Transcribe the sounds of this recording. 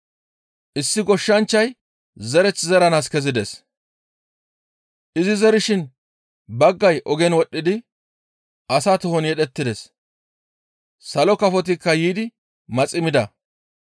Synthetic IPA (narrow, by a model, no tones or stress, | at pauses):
ʔɪsːɪɡɔʃːɐnt͡ʃːɐj | zɛɾɛt͡sːzɛɾɐnaːskɛzɪd̪ɛs | ʔɪzɪzɛɾɪʃɪn | bɐɡːɐjʔɔɡɛnwɔɗːɪd̪ɪ | ʔɐsaːt̪ʊhɔnjɛɗɛt̪ːɪd̪ɛs | sɐlɔkɐfɔt̪̬ɪkːɐjiːd̪ɪ | mɐt͡sʼɪmɪd̪ɐ